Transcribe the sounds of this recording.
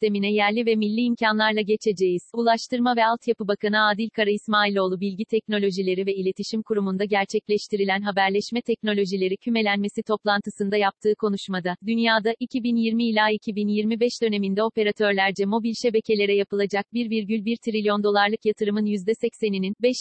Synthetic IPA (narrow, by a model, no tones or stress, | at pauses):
st̪e̞minɛjæɾlʲivɛmilʲːiːmcʰanlˠaɾlˠaɟe̞t͡ʃʰe̞d͡ʒe̞jiz̥ulˠaʃt̪ʰɯɾmavɛalˠt̪japɯbakʰanɯaːd̪ilʲkʰaɾaimaːilʲo̞ːlˠubilʲɟit̪ʰɛcno̞lʲo̞ʒilʲe̞ɾivɛilʲe̞t̪ʰiʃimkʰuɾumund̪aɟæɾt͡ʃʰɛclʲɛʃt̪ʰiɾilʲænɦabæɾlʲɛʃmɛt̪ʰɛc̚no̞lʲo̞ʒilʲe̞ɾicʰyme̞lʲænme̞sit̪ʰo̞plˠant̪ʰɯsɯnd̪ajap̚t̪ʰɯːkʰo̞nuʃmad̪ad̪ynjaːd̪aʔicʰibinjiɾmiːlʲaːicʰibinjiɾmibɛʃd̪ø̞ne̞mind̪ɛo̞pe̞ɾat̪ʰø̞ɾlʲæɾd͡ʒɛmo̞bilʲʃe̞be̞cʰe̞lʲe̞ɾɛjapɯlˠad͡ʒak̚biɾviɾɟylʲbiɾt̪ʰɾilʲijo̞nd̪o̞lˠaɾlˠɯkjat̪ʰɯɾɯmɯnjyzd̪ɛsɛcsenininbɛʃ